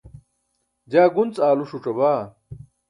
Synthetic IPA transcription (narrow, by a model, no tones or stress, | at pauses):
d͡ʑaːɡunt͡saːluɕuʈ͡ʂɐbaː